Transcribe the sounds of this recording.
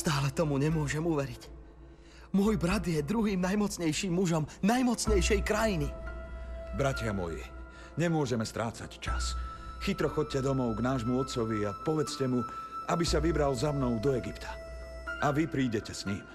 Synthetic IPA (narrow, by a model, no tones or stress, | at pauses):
st̪aːlɛt̪ɔmuɲɛmʊɔʒɛmuʋɛɾic | mʊɔjbɾad̪jɛd̪ɾuɦiːmnajmɔt͡sɲɛjʃiːmːuʒɔmnajmɔt͡sɲɛjʃɛjkɾajini | bɾacɪamɔ̰jḭ | ɲɛmʊɔʒɛmɛst̪ɾaːt͡sa̰ct͡ʃa̰sxit̪ɾɔxɔc̚cɛd̪ɔmɔʊɡnaːʒmuɔt̪̚t͡sɔʋiapɔʋɛt͡scɛmuʔabisaʋibɾalzamnɔʊd̪ɔɛɡipt̪ʰḁ | aʋipɾiːɟɛcɛsɲim